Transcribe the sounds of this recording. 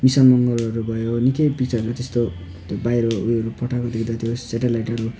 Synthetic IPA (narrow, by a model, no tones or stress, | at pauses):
misʌnmʌŋɡʌlʌɾubʱʌjonikʌjpik̚t͡sʌɾot̪est̪o | t̪obajɾʌujʌɾupʌʈʰakod̪ekd̪at̪ʰjoseʈelajʈʌɾu